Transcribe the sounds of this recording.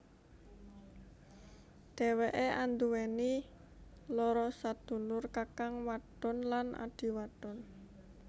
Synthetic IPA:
ɖ̪̥e̤weʔeʔand̪uweni | lɔɾɔsad̪̥ṳlʊrkakaŋwaɖ̥ɔnlanʔa̰ɖ̥i̤waɖ̥ɔn

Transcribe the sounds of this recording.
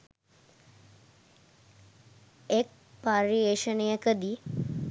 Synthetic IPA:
ek̚ | paɾieʃənejəkəd̪i

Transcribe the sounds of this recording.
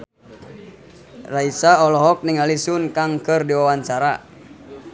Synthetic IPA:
raisaɔlɔɦɔk̚niŋalisunkaŋkɨrdiwawant͡ʃaɾa

